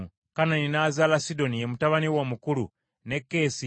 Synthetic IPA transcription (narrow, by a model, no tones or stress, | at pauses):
kananinazaːlasido̞nijemutaβaniwomukulṵ | ne̞kːe̞si